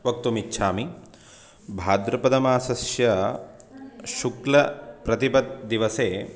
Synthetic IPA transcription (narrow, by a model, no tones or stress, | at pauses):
ʋɐk̚t̪umitːʃʰaːmi | bʱaːd̪ɾɐpɐd̪ɐmaːsɐsjɐ | ʃuklɐpɾɐt̪ipɐd̪̚ːiʋɐseː